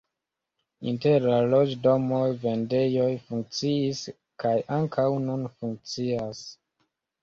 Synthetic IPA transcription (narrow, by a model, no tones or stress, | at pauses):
ḭnteɾalod͡ʒdomojve̞nde̞jojfuŋk̚t͡siis | kajaŋkʰawnunfuŋk̚t͡sias